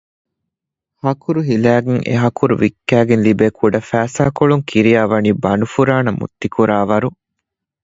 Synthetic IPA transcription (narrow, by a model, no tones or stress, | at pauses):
hɐkuɾuɦilæːɡeŋʔḛɦɐkuɾuʋikːæːɡenlibeːkʰuɖɐfæːsaːkoɭuŋkʰiɾijaːʋɐniːbɐnufuɾaːnɐmṵt̪ːikuɾaːʋɐɾu